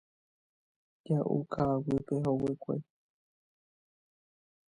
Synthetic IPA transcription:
d͡ʒaʔṵkʰawipeɦowekʷḛ

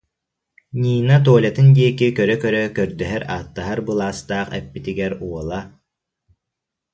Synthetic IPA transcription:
ɲʲiːnat̪uːlʲat̪ɯnd̪iɛkikœɾœkœɾœkœɾd̪œɦɛɾaːt̪ːaɦaɾbɯlˠaːst̪aːχɛ̰pːit̪iɡɛɾuɔlˠa

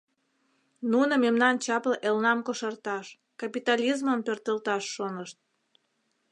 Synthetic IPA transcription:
nunomemnɑnt͡ɕɑplɤʔelnɑmkoʃərt̪ɑʃ | kɑpit̪ɑlʲizməmpørt̪əlt̪ɑʃːonəʃt̪̚

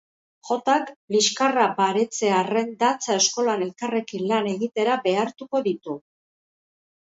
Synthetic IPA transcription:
ʝo̞t̪akliskarabaɾe̞t͡se̞are̞nd̪at͡sae̞sko̞lane̞lkare̞kinlane̞ɣit̪e̞ɾabe̞aɾt̪uko̞ðit̪u

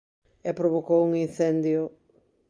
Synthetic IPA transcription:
ɛpɾoβokowuŋin̟θɛnd̪jo

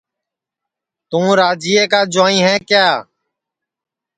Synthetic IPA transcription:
t̪ũːɾaːd͡ʒiːeːkaːd͡ʒʊaːĩːɦɛ̃ːkjaː

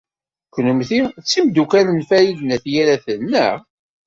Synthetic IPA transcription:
kːnumθit͡sːimd̪ukælənfæjiðnæθjæɾæθənːəʁ

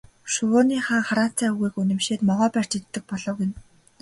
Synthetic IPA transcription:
ʃʊwʊːniːχaːŋχaɾaːn̥t͡sæːuɣiːkunɘ̆mʃeːt̪mɔʁɔːpær̥t͡ɕet̪ːɘ̆k̚pɔɮɞ̆wɣen

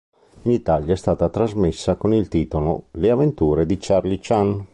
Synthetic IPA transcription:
init̪aljaɛst̪aːt̪at̪ɾazmesːakonilt̪iːt̪olo̰leavent̪uːɾed̪it͡ʃarlit͡ʃan

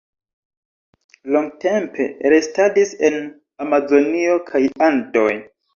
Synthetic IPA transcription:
loŋɡte̞mpe̞̰ɾestadise̞n | amazo̞nio̞kʰajando̞j

